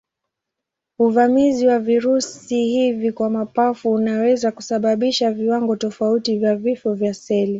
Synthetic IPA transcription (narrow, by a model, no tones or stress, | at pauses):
uvamiziwaviɾusihivikwamapafuːnawɛzaku̥saɓaɓiʃaviwaŋɡɔtɔfautivjavifɔvjasɛli